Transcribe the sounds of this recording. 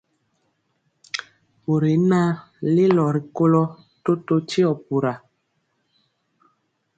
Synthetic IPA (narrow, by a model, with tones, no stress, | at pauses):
o˨ɾe˨˦na˦ | le˦lɔ˨ɾi˨ko˦lɔ˦ | to˦to˦t͡ʃi˦ɔ˨pu˨ɾa˨